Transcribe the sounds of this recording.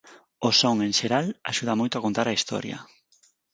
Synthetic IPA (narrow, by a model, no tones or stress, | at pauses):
osoŋeŋʃeɾalaʃuðamojt̪oakont̪aɾaist̪ɔ̰ɾjɐ̰